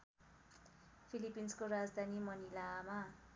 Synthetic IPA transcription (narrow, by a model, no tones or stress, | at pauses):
pʰilipːinskoɾad͡zd̪ʱanimʌnilama